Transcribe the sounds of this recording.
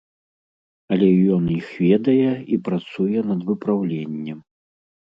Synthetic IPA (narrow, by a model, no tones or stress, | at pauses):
ɐlʲɛjɔnjixvʲɛd̪ɐjɛipɾat̪sujɛnɐd̪vɨpɾawlʲenʲːɛm